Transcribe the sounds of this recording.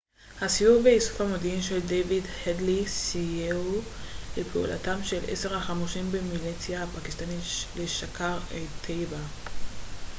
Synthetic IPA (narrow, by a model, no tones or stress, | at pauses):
hasijuvveisu̥famodiimʃe̞ldejvidhedlisijeu | lepʰeṵlʔa̰tamʃe̞lʔḛse̞ʁhaχamuʃimbemilit͡sjahapakist̪anileʃakaʁet̪ʰejba